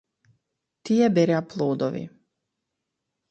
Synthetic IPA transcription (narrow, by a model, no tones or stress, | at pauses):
t̪iɛbɛɾʲaplˠuːd̪ɔvḭ